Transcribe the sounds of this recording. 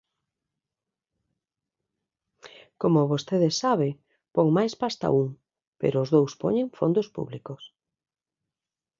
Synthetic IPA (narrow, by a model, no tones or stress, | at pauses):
komoβost̪eðesaβɪ | pɔŋmajspast̪a̰uŋ | pḛɾoːzðowspo̰ɲẽŋfond̪ospṵβlikʊs